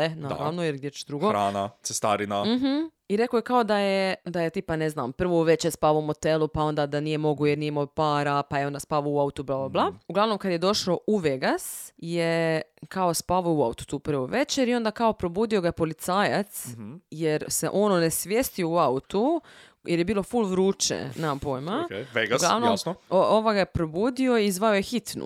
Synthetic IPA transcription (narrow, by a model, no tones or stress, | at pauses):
enaːɾa̰ʋnojeɾɡd̪jet͡ʃd̪ɾuɡoɾanasest̪aɾinam̩ɦm̩ | iɾe̞kojekaod̪ajed̪ajet̪iːpanezna̰ːmpr̩ʋoʋe̞t͡ʃeɾspaʋoumo̞t̪elˠupao̞nd̪aːd̪anijemo̞ɡujeɾnijemojpaːɾapajeo̞nd̪aspaʋouaut̪ublˠaːblablˠauɡlˠaʋno̞mkad̪jed̪o̞ʃouʋeɡasjekaospaʋouaut̪u̥t̪uːpɾ̩ʋoʋe̞t͡ʃeɾio̞nd̪akao̞pɾo̞buːd̪io̞ɡapo̞lit̪saːjat̪sjeɾse̞̰ʔo̞nonesʋʲjest̪iouaut̪u | jʔeɾje̞biːlˠo̞fulˠʋɾuːt͡ʃḛnapojmakeʋeɡɡla̰ʋnoooʋaɡajepɾo̞buːd̪io̞izʋaojexit̪nṵ